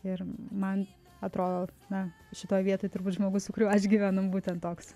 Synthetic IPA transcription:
ɪrmɐn | ɐt̪ɾoːd̪oːnɐ | ʃʲɪt̪oːjʋʲiɛt̪oːjt̪ʊɾbuːt̪ʒmoːɡʊsʊkʊɾʲuːɐʃɡʲiʋʲænombuːtʲɛnt̪toːks

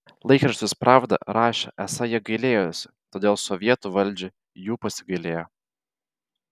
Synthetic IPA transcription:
lˠɐɪkɾɐʃʲt̪ʲɪspɾɑːʋd̪ɐ̰ɾɑːʃʲɛ̰ʔɛsɐjiɛɡɐɪlʲeːjosʲɪt̪oːd̪ʲeːlˠsɔʋʲiɛt̪uːʋɐlʲˑd͡ʒʲɪ | juːpɐsʲɪɡɐɪlʲeːjo

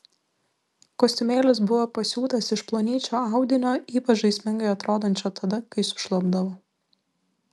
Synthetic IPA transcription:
koːsʲt̪ʲɪmʲeːlʲɪs̬bʊʋoːpɐsʲuːt̪ɐsɪʃplˠoːnʲiːt͡ʃʲoːɑˑʊd̪ʲɪnʲoːiːpɐt͡ʃʒɐɪsʲmʲɪŋɡɐɪɐt̪ɾoːd̪ɐnʲt͡ʃʲot̪ʰɐd̪ɐkɐɪsʊ̥ʃlˠɐbd̪ɐʋoː

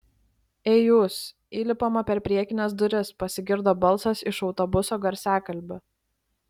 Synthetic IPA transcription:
eːjʊs | iːlʲɪpomɐpʲɛɾpʲɾʲiɛkʲɪnʲɛs̬d̪ʊɾʲɪspɐsʲɪɡʲɪɾd̪oːbɐlˠˑsɐsɪʃɒʊt̪ɔbʊsoːɡɐɾʲsʲæːkɐlʲbʲʊ

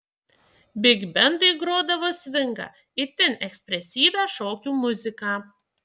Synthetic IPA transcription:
bʲɪɡʲbʲɛnd̪ɨɪɡɾoːd̪ɐʋoːsʲʋʲɪŋɡɑ̰ː | ɪt̪ʲɛnɛksʲpʲɾʲɛsʲiːʋʲæːʃoːkʲuːmʊzʲɪkɑː

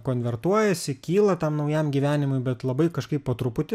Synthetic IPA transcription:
koːnʲʋʲɛɾt̪uɔjɛsʲɪkʲiːlˠɐt̪ɐmnɒʊjɛmɡʲiːʋʲæːnʲɪmʊɪbʲɛt̪lˠɐbɐɪkɐʃkɐɪppɐt̪ɾʊpʊt̪ʲɪ

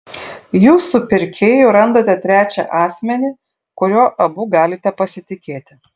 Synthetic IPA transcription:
juːsʊpʲɪɾʲkʲeːjuɾɐnd̪oːt̪ʲɛt̪ʲɾʲæːt͡ʃʲɛʔɑːsʲmʲɛnʲɪ | kʊɾʲoːʔɐbuɡɑːlʲɪt̪ʲɛpɐsʲɪt̪ʲɪkʲeːt̪ʲɪ

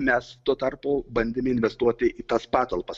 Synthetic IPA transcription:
mʲɛst̪uɔt̪ɐrpʊbɐnʲd̪ʲɪmʲɪɪnʲʋʲɛst̪uɔt̪ʲɪʔiːt̪ɐspɑːt̪olˠpɐs

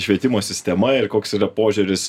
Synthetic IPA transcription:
ʃʲʋʲiɛt̪ʲɪmoːsʲɪsʲt̪ʲɛmɐɪrkoːksiːɾɐpoːʒʲʊɾʲɪs

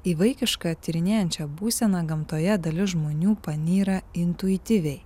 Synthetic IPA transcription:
iːʋɐɪkʲɪʃkɑːt̪ʲiːɾʲɪnʲeːjɛnʲt͡ʃʲɛbuːsʲɛnɐɡɐmt̪oːjɛd̪ɐlʲɪsʒmoːnʲuːpɐnʲiːɾɐɪnʲt̪ʊɪt̪ʲɪʋʲɛɪ

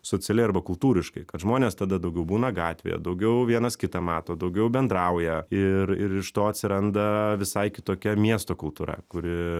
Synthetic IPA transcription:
soːt͡s̪ʲɪɛlʲɛɪɐɾrbɐkʊlˠt̪uːɾʲɪʃkɐɪkɐt̪ʒmoːnʲeːst̪ɐd̪ɐd̪ɐʊɡʲɛʊbuːnɐɡɑːt̪ʲʋʲḛːjɛ̰d̪ɐʊɡʲɛʊʋʲiɛnɐskʲɪt̪ɐmɑːt̪oːd̪ɐʊɡʲɛʊbʲɛnd̪ɾɐʊjɛɪɾɪɾɪʃt̪oːɐt̪ʲsʲɪɾɐnd̪ɐʋʲɪsɐɪkʲɪt̪oːkʲɛmʲiɛst̪oːkʊlˠt̪uːɾɐ̰kʊɾʲɪ

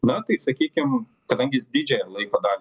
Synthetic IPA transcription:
nɐt̪ɐɪsɐkʲiːkʲɪm | kɐd̪ɐŋʲɡʲɪɪsd̪ʲiːd͡ʒʲɛjɛlˠɐɪkoːd̪ɑːlʲ

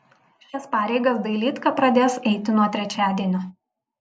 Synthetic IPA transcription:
ʃʲɛspɑːɾʲɛɪɡɐsd̪ɐɪlʲiːt̪kɐpɾɐd̪ʲeːsɛɪt̪ʲɪnuɔt̪ʲɾʲɛt͡ʃʲæːd̪ʲiɛnʲʊ

